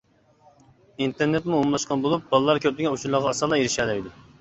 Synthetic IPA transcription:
int̪ʰeɾnet̪muomlˠɑʃqɑnbolˠup̚bɑlˠɨlˠɑɾkʲʰøplɪɡʲɛut͡ʃʰuɾlˠɑʁɑɑsɑlˠɑjeɾɪʃɛlɛjid̪u

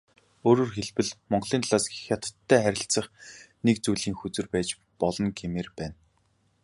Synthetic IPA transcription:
oːɾoːrxeɮpɘ̆ɮmɔɴɢɮiːnʰɮaːsɡixjat̪ə̥̆t̪ʰːæːχæɾʲɪ̆ɬt͡sə̆χnekt͡sujɮiːŋxut͡sɘ̆rpæːt͡ɕ | pɔɮɞ̆ŋɡemeːrpæːn

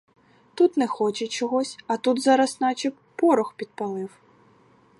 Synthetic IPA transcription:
t̪ut̪nɛxɔt͡ʃɛt͡ʃɔɦɔsʲɐt̪ud̪zɑɾɐsnɑt͡ʃʲik | pɔɾɔxpʲid̪̚pɐlˠɪw

